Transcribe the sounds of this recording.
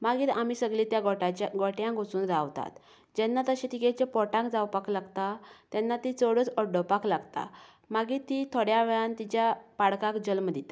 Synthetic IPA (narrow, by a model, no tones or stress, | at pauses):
maɡiːt̪amisəɡɭĩt̪jaɡɔʈat͡ɕaɡɔʈjãɡot͡suːnɾawt̪a̰t̪ | d͡ʑɛnːat̪əɕẽt̪ikɛt͡ɕepɔʈãŋkd͡zawpaklaɡt̪at̪jɛnːat̪it͡sɔɽət͡sɔɖəpaklaɡt̪a̰ | maɡit̪it̪ʰoɽjaʋɛɭant̪it͡ɕjapaɽkãkd͡ʑəlməd̪it̪a